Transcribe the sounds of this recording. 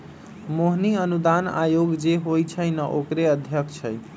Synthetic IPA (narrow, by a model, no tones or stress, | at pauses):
moɦniənud̪ana̰joɡd͡ʒeɦojt͡ʃʰəjnəʔokɾeəd̪ʱjəkʰt͡ʃʰəj